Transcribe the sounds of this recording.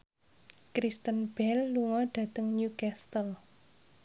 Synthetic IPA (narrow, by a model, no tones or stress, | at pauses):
kɾist̪ənb̥ɛlːuŋɔɖ̥a̤t̪əŋnjukɛst̪əl